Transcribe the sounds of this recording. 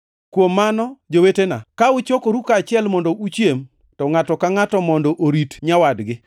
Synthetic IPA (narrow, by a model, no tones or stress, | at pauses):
kwomːanɔd͡ʒowetena̰kaʊt͡ʃokoɾukat͡ʃɪɛlmɔndɔʔut͡ʃjem | tɔŋatɔkaŋatɔmɔndɔʔoɾitɲawadɡɪ